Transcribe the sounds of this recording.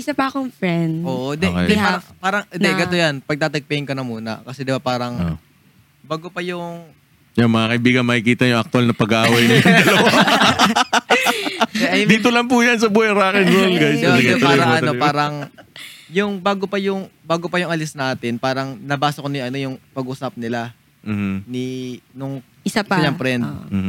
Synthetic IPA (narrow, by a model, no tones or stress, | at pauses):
ʔɪsɐpɐɐkoŋfɾɛnd̪oːʔod̪ɛɛapaːɾɐŋnd̪ɛɡɐt̪ojanpɐɡ̚t̪aːt̪ɐɡ̚pɛŋkɐnɐmuːnɐ̰kɐsɛd̪ɪbapaːɾɐŋ | baːɡopɐjʊŋ | jamɐŋakɐʔibiːɡɐnmɐkɪkiːt̪ɐjʊŋʔɐk̚t̪ʊɐlnɐpɐɡʔaːwɐjmɐɐd̪ɐlɐw | ɛʔɐjd̪iːt̪̬olɐŋp̬ujɐns̬ɐbuːɛɾaːkɛnɾolɡajsd̪ɪbɐdɪat̪lːɡɾɐŋɐopaːɾɐŋ | jʊŋbaːɡopɐjʊŋbaːɡopɐjʊŋɐlɪsnaːt̪ɪnpaːɾɐŋlɐbaːsɐkonɪʔɐno̞jʊŋpɐɡʔuːsɐp̚nɪla | m̩ːh̩ninʊŋ | ɪaɐɲɐŋpɾɛnd̪̚m̩ː